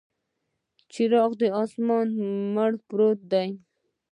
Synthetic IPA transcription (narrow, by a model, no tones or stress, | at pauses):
t͡ʃiɾɑqd̪əɑsmɑnmaɽpɾot̪̚d̪aj